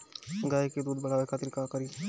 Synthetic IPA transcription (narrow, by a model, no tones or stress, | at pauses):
ɡaːiked̪uːd̪bɐɽ̤aːʋekʰaːt̪ɪɾkakɐɾi